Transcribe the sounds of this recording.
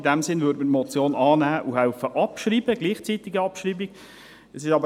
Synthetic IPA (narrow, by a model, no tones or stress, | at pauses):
dæmsɪnvøːɾtmətmɔt͡sjoːnɑːnæːʔuɦaʊfəʔɑpʃriːbəɡliːχt͡sit̪ɪɡiɑpʃriːbiɡ̥ | ɛsɪʃɑbə